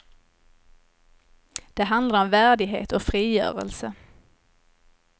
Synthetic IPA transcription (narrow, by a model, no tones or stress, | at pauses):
d̪̥ɛɦand̪laɾɔmvæːɖɪɡɦḛːt̪ɔfɾiːjœ̰ːɾə̰lsə